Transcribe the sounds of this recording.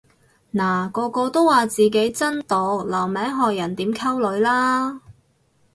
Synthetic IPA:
naː˨˩kɔː˧kɔː˧t̪o˥waː˨˩t͡siː˨k̬e˨˥jt͡sɐ˥nt̪o˨˧wlɐ˨˩wmɛː˨˥ŋɦɔː˨jɐ˨˩nt̪iː˨˥mkʰɐ˥wlɵ˨˧ɥlaː˥

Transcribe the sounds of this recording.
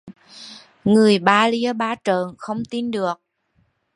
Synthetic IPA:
ŋɨ˨˩əjɓaː˧li˧əɓaː˧t͡ɕəː˨˩nxə˧wŋ͡mt̪i˧nɗɨ˨˩ək̚

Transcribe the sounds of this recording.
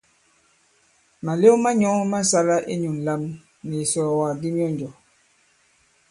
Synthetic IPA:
ma˨le˦ma˦ɲɔ˦ŋma˦sa˦la˦ʔe˦ɲu˨n˨la˦m | ni˨sɔ˨wa˨di˦mi˦ɔ˦nd͡ʒɔ˨

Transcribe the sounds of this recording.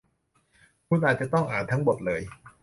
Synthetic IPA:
kʰu˧˥nʔaː˨˩t̪̚t͡ɕa˨˩t̪ɔ˥˩ŋʔaː˨˩nt̪ʰa˦˥ŋbo˨˩t̪̚lɤː˨˦j

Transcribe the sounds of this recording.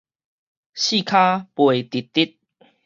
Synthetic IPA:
ɕi˥˧˨kʰa˦pwe˨˩t̪i˨˩tt̪ːi˦t̪̚

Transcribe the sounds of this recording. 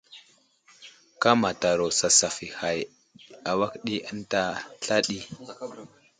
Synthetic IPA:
ka˦ma˨ta˨ɾo˨sa˨sa˨fi˨ha˨j | a˨wa˦kɗi˦ʔə˦n˦ta˦ɬa˦ɗi˦

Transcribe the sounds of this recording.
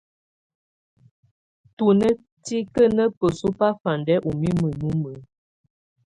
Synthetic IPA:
tu˨nə˦ | ti˦kə˦nə˦pə˨so˦pa˦fa˨ndɛ˦ʔu˨mi˦mə˨nu˦mə˨˦

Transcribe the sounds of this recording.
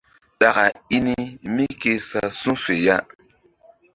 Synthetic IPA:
ɗa˨ka˨i˦ni˦mi˦ke˧sa˨sũ˦fe˨ja˦

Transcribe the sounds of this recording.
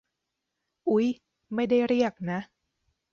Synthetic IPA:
ʔu˦˥j | ma˥˩jda˥˩jɾi˥˩ək̚na˦˥ʔ

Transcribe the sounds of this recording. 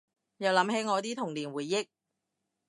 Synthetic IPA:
jɐ˨˧wlɐ˨˥mhe˨˥jŋɔː˨˧t̪iː˥t̪ʰʊ˨˩ŋliː˨˩nwuː˨˩jːɪ˥k̚

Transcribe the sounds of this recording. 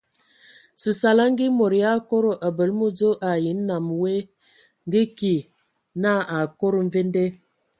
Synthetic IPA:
si˨sa˨la˦ŋ˦ɡi˦mo˨ɾja˦ko˦ɾo˨ʔa˨bə˨lmo˦d͡zo˦ʔa˨ji˨˦nː˦a˨mwe˦ | ŋ˦ɡi˦ki˨ | na˦a˨ko˦ɾo˨ɱ̩˦ve˦n˦de˦

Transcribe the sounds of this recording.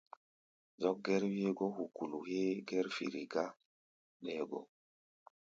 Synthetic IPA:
zɔ˦k̚ɡɛ˦ɾwe˦ɡo˦hu˨ku˨lu˨he˦ɡɛ˦ɾfḭ˨ɾi˨ɡa˦ | ɗɛ˨ɡo̰˦

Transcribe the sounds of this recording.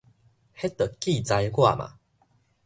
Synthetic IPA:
he˦t̪ə˨˩ki˥˨t͡sa˧jɡwa̰˥˨mã̰˨

